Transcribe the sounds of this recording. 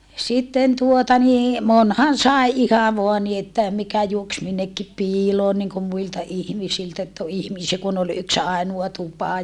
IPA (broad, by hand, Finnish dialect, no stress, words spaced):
sitːen tuotɑ niː monhɑn sɑˑi̯ ihɑ ʋoɑ ni etːæ mikæ juoks minːekːi piːloːn niŋkum muiltɑ ihmisiltæ etː o ihmisiæ kun ol yks ɑˑinuɑ tupɑ